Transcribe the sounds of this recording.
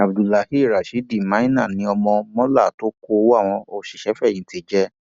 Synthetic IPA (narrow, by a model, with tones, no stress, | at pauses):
a˨bdu˨la˨hi˦˨ɾa˨ʃi˨˦di˦˨mã˨˦i˦nã˦˨nĩ˨˧˦ɔ˧mɔ̃˧mɔ̃˦la˦˨to˦ko˧wa˦˨w̃ɔ̃˧o˧ʃi˨ʃɛ˨˦fɛ˦˨j̃ĩ˨˦ti˧˦d͡ʒɛ˦